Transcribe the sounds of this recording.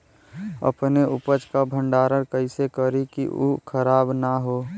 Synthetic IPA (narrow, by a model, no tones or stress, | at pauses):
ə̰pneʔʊpət͡ʃkabʱə̃ɳɖaːɾəɽkəɪsekəɾikḭṵkʰəɾaːbnaɦoː